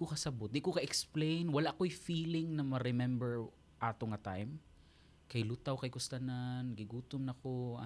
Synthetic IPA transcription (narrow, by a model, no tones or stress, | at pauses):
kokɐsɐbot̪̚d̪ɪkokɐʔɛksplejnwɐlaʔkojfiːlɪŋnɐmɐɾɪmɛmbɛɹ | ʔaːt̪oŋɐt̪ajm | kɐjlut̪awkɐjkʊst̪ɐnanɡɪɡuːt̪omnɐkoɐ